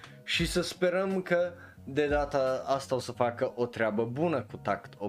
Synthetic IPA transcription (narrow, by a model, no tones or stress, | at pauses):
ʃisəspɛɾəmkɐ | d̪ɛd̪at̪əast̪awsɐfakəʔɔt̪ɾʲabɐbunɐkut̪akt̪ɔ